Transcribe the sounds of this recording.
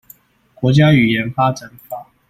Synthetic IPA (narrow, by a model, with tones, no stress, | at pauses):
kwɔ˧˥t͡ɕja˥y˨˩jɛ˨˧˥nfa˥ʈ͡ʂa˨˩˦nfa˨˩˦